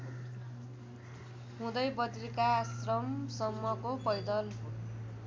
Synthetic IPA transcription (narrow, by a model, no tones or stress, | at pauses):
ɦũd̪ʌjbʌt̪rikasrʌmsʌmːʌkopʌjd̪ʌl